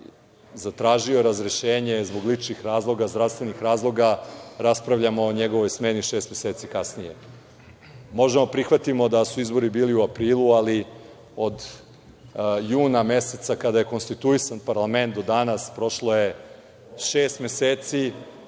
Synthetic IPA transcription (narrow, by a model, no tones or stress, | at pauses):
zat̪ɾaːʒio̞ɾazɾeʃeːɲe̞zbo̞ɡlit͡ʃnixɾaːzlˠo̞ɡazd̪ɾafst̪ʋe̞nixɾaːzlˠo̞ɡaɾaspɾaʋʎamo̞ːɲeɡo̞ʋo̞jsmeniʃe̞ːst̪meseːt̪sikasnije | mo̞ʒemopɾixʋat̪imo̞d̪asuizbo̞ɾibiːliuapɾiːlˠuali | o̞d̪ | juːname̞set̪sakad̪aje̞ko̞nst̪it̪uisanpaɾlˠame̞nt̪̚d̪o̞d̪anaspɾo̞ʃlo̞je̞ | ʃeːst̪me̞seːt̪si